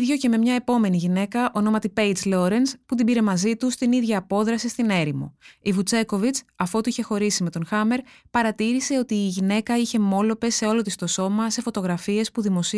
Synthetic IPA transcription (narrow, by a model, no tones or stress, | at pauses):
ðʝo̞ce̞me̞mɲɐe̞po̞me̞niʝine̞kɐʔono̞mɐt̪ipe̞jd͡zlo̞ɾe̞nsput̪̬ibiɾe̞mɐzit̪ust̪iniðʝɐːpo̞ðɾɐsist̪ine̞ɾimṵivut͡se̞ko̞vit͡sɐfo̞t̪uiçe̞xo̞ɾisime̞t̪o̞nxɐme̞ɾpɐɾɐt̪iɾise̞ot̪iːʝine̞kɐiçe̞mo̞lo̞pe̞se̞o̞lo̞t̪ist̪o̞so̞mɐse̞fo̞t̪o̞ɣɾɐfie̞spuðimo̞si